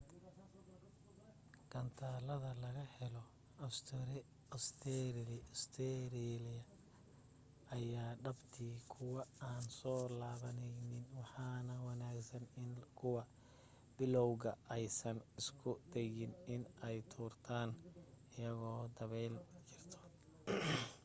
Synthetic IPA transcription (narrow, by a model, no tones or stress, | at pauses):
ɡ̥ɐnt̪ʰaːlɐðɐlɐɣɐhɛlɔ | ɐst̪ʰɾɪ | ɔst̪ʰɛɾst̪ʰɛɾilɪɐ | jaːɖɐbt̪ʰiːkʰʊwɑaːnsɔːlaːβɐnɛjnɪnwɑħɑːnɐwɑnaːɡsɐnɪnkʰʊwɐ | bɪlɔwɣɐʔɛjsɐnɪskʰʊd̪ɛɣɪnɪnɛjt̪ʰuːrt̪ʰaːnɪjɐɣɔːd̪ɐβɛjlt͡ʃʰɪrt̪ʰɔ̥